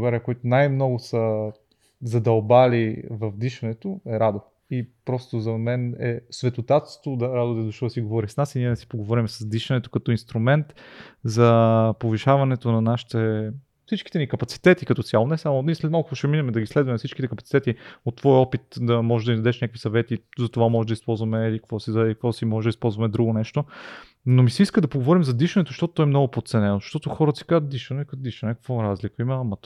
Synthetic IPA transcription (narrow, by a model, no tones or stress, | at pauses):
bɡaɾijəkoit̪ʊnajmnɔɡʊsə | zɐd̪ɐlˠbalivɐvd̪iʃɐnɛt̪oɛɾad̪o | ipɾɔst̪ozɐmɛnɛ̰svɛt̪ot̪at̪st̪od̪ɐɾad̪od̪ɛzoʃt̪ɔd̪ɐsiɡovɔɾisnasiniɛnɛsi̥poɡovɔɾimsɐzd̪iʃɐnɛt̪okɐt̪ɔinst̪ɾumɛnt̪zɐpoviʃavɐnɛt̪onɐnaʃi̥t̪ɛ | fsit͡ʃkit̪ɛnikɐpɐtsi̥t̪ɛt̪ikɐt̪ɔt̪sʲjalˠonɛsamoislɛt̪malˠkokoʃɛminɛmɛd̪ɐɡislɛd̪vɐmɛfsit͡ʃkit̪ɛkɐpɐt̪i̥t̪ɛt̪iot̪ːvɔjɔpit̪d̪ɐmɔʒed̪ɐmind̪ɐd̪ɛʃnʲakvisɐvɛt̪izɐt̪ovamɔʒd̪ɐispɔlˠzvɐmɛlikkvɔsizɛikvɔsimɔʒɛd̪əispɔlˠzvɐmɛd̪ɾuɡonɛʃt̪o | nomisiiskəd̪ɐpoɡovɔɾimzɐd̪iʃənɛt̪ozʃt̪ɔt̪o̥t̪ɔɛmnɔɡʊpot̪t̪sɛnɛnozʃt̪ɔt̪oxɔɾət̪si̥kazət̪̚d̪iʃɐnɛkt̪d̪iʃnənɛkə̥kvɔɾazlikəimɐmɐt̪